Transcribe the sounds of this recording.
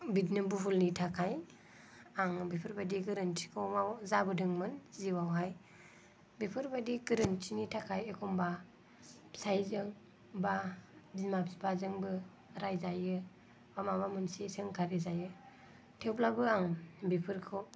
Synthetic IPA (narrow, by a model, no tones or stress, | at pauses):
bidnimbuɦulnitʰakʰaj | aŋbipʰɯɾbadiɡɯɾɯntʰi̥kʰɔmawzabɯdɯŋmɯnziwawɦaj | bipʰɯɾbadiɡɯɾɯntʰinitʰakʰajekʰɔmba | sajzɯŋ | babimabspʰazɯŋbɯ | ɾajzajɯ | bamamamɯnsesɯŋkʰaɾizajɯ | tʰewplabɯaŋbipʰɯɾkʰɔ